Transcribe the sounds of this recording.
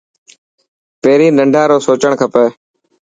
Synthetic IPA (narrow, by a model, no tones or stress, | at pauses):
peːɾiːnəɳɖʱãːɾoːsoːt͡ʃəɳkʰəpeː